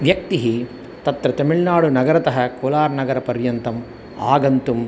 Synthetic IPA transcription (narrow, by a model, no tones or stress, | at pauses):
ʋjɐk̚t̪iɦi | t̪ɐt̪ɾɐt̪ɐmiɭnaːɽunɐɡɐɾɐt̪ɐɦɐkoːlaːɾnɐɡɐɾɐpɐɾjɐnt̪ɐm | a̰ːɡɐnt̪um